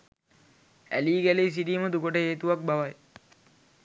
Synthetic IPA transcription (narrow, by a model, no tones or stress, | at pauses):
æ̰liːɡæleis̬iɖiːməd̪ukoʈəɦeːt̪uʋak̚baʋaj